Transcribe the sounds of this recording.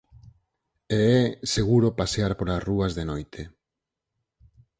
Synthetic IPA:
eɛseɣ̞uɾopaseaɾpoɾasruazðenojt̪ʰe

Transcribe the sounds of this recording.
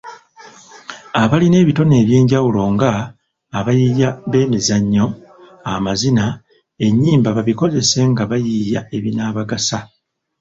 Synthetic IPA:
aβaline̞ːβito̞ne̞ːβje̞ːɲɟawulo̞ŋɡaː | βajijaβe̞ːmizaɲːo̞amazina | e̞ɲːiːmbaβaβiko̞ze̞se̞ŋɡaβajijae̞βinaːβaɡasa

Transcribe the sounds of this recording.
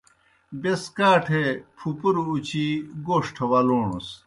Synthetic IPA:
beskaːʈʰepʰupuɾuut͡ɕiɡoːʂʈʰɐwɐloːɳṵs

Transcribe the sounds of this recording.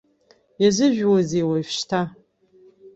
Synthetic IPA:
jɛzɨʒʷᶣwɔzeːwɐjfʃtʰa

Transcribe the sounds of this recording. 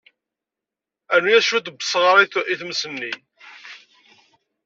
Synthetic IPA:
ænːujæʃud̪bə̥sˤʁɑɾˤiθiθmsənːi

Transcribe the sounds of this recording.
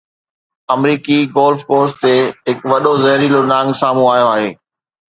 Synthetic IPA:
ɐmɾiːkiɡoːlfkoːɾst̪eːɦɪkʋɐɗozɐɦɾilonãːŋɡsaːmũaːijoaːɦeː

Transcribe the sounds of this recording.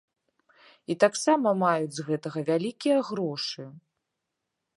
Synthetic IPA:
it̪aksamɐmajud͡zʲzɣɛt̪ɐɣɐvʲalʲikʲijɐɣɾɔʂɨ

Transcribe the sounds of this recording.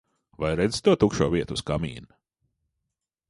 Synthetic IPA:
vajɾɛd̪z̥t̪uɔt̪ukʃṵːviɛt̪uskamḭːn

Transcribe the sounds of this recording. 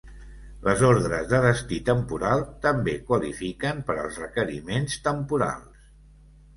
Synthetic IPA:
lʔəzoɾðɾəzðəðəst̪it̪əmpuɾalˠt̪əmbekwəlḭfikəmpəɾəlˠzrəkəɾḭmenst̪əmpuɾa̰lˠs

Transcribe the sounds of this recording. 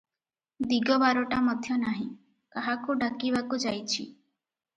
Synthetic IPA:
d̪iɡɔbaɾɔʈamɔd̪ʱjɔnaɦĩ | kaɦakuɖakibakud͡ʒajt͡ʃʰḭ

